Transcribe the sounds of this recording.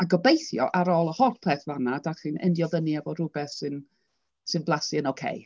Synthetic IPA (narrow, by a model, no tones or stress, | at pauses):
aɡɔbejθjɔʔaɾɔːlˠəhɔrpʰeːθvanadaχinɛ̰ndjɔðəniavɔɾʊbɛθsɨn | sɨnblˠasiənowkʰḛj